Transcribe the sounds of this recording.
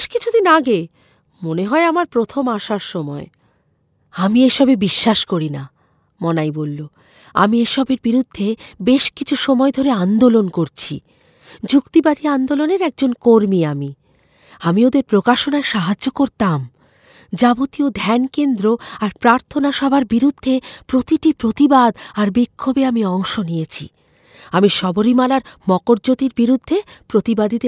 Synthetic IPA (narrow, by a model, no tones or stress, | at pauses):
ʃkit͡ɕʰud̪inaɡe | moneɦɔeamaɾpɾot̪ʰomaʃaɾʃɔmɔe | amieʃɔbebiʃːaʃkoɾina | mɔnajbolːo | a̰mieʃɔbeɾbiɾud̪ʱːebeʃkit͡ɕʰuʃɔmɔed̪ʱoɾeand̪olonkoɾt͡ɕʰḭ | d͡ʑukt̪ibad̪ʱiand̪oloneɾɛk̚d͡ʑonkoɾmiami | amiod̪eɾpɾokaʃonaeʃaɦad͡ʑːokoɾt̪am | d͡ʑabot̪iod̪ʱɛnkend̪ɾoaɾpɾaɾt̪ʰonaʃɔbʱaɾbiɾud̪ʱːepɾot̪iʈipɾot̪ibad̪aɾbikʰːobeamiɔŋʃonijet͡ɕʰḭ | amiʃɔboɾimalaɾmɔkoɾd͡ʑot̪iɾbiɾud̪ʱːepɾot̪ibad̪it̪e